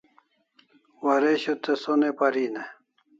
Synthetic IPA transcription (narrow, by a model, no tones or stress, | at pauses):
wɐɾeɕot̪esonepɐɾiːne